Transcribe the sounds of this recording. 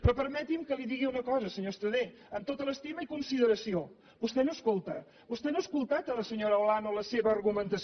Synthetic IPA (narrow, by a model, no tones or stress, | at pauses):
pɾɔpəɾmɛt̪imkəliðiɣiunəkɔzəsəɲost̪əðe | əmt̪ot̪ələst̪iməikunsiðəɾəsio | bust̪ɛnoəskolˠt̪ə | bust̪ɛnoəskulˠt̪at̪ələsəɲoɾəlanoləseβəːrɣumənt̪əs